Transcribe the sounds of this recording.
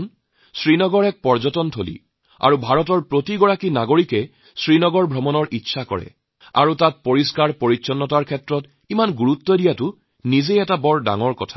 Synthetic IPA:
n | sɹinɔɡɔɹɛk̚pɔɹzɔtɔntʰolḭ | a̰ɹubʱaɹɔtɔɹpɹotiɡɔɹakinaɡoɹikɛ | sɹinɔɡɔɹbʱɹɔmɔnɔɹʔitːsʰakɔ̰ɹɛ̰ | a̰ɹutat̚poɹiskaɹpoɹisɔnːɔtaɹkʰɛtɹɔt | imanɡuɹutːɔdijatʊ | nizejɛtabɔɹda̰ŋɔɹkɔtʰḁ

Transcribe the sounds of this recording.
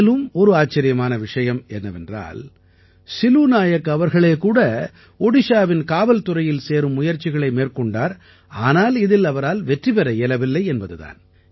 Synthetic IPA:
lɯmɔɾɯaːt͡ʃːɐɾɪjɐmaːnɐʋɪʂɐjɐmɛnːɐʋɛndra̰ːl | sɪluːnaːjɐkːɐʋɐɾɣɐɭeːkuːɽɐ | ɔɽɪʂaːʋɪnkaːʋɐlt̪ʊrɐjɪlseːɾɯmːʊjɐɾt͡ʃɪɣɐɭɐɪmeːrkɔɳɖaːɾ | aːnaːlɪðɪlɐʋɐɾaːlʋɛʈripɐɾɐɛlɐʋɪlːɐɪɛnbɐðɯða̰ːn

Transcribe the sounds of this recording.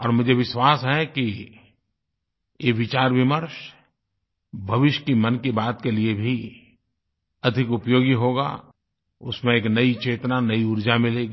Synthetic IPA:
ɔːɾmʊd͡ʒʱeʋɪʃwaːsɦɛki | jeʋɪt͡ʃaːɾʋɪməɾʃ | bʱɐʋɪʃjkimɐnkibaːt̪keliebʱi | ɐd̪ʱɪkʊpjoːɡiɦoːɡa̰ː | ʊsmẽeːknɐit͡ʃeːt̪nanɐiʊɾd͡ʒamɪleːɡiː

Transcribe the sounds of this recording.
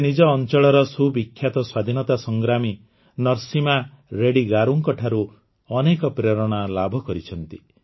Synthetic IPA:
enid͡ʒɔːnt͡ʃɔɭɔɾɔsubikʰːjat̪ɔswad̪ʱinɔt̪asɔŋɡɾami | nɔɾsima | ɾeɽiɡaɾuŋkɔʈʰaɾu | ɔnekɔpɾeɾɔɽ̃alabʱɔkɔɾit͡ʃʰɔnt̪i

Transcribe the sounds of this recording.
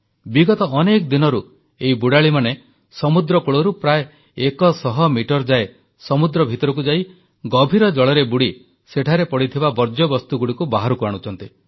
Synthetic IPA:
biɡɔt̪ɔʔɔnekɔd̪inɔɾu | eibuɽaɭimane | sɔmud̪ɾɔkuɭɔɾupɾae | ekɔsɔɦɔmiʈɔɾd͡ʒae | sɔmud̪ɾɔbʱit̪ɔɾɔk̬ud͡ʒai | ɡɔbʱiɾɔd͡ʒɔɭɔɾebuɽi | seʈʰaɾepɔɽit̪ʰibabɔɾd͡ʒɔbɔst̪uɡuɽikubaɦaɾukuaɽ̃ut͡ʃʰɔnt̪i

